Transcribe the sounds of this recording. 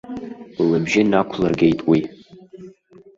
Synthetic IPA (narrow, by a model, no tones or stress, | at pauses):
labʒɪnakʷʰlarɡʲejtʼwi